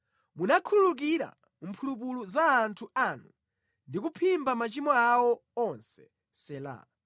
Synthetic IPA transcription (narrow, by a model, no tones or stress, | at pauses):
munakʰuluk̬iɾa̰ | m̩pʰulup̬uluzaːntʰuanu | ndikupʰimbamat͡ʃimɔawɔɔnsɛ̥ | sɛla̰